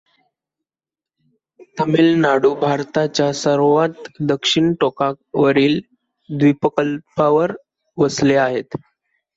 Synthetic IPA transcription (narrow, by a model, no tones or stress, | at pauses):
t̪əmilnaɽuːbʱaɾt̪at͡ɕjasəɾʋat̪d̪əkʂiɳʈokakʋəɾiːl | d̪ʋipəkəlpaʋəɾ | ʋəsleaɦet̪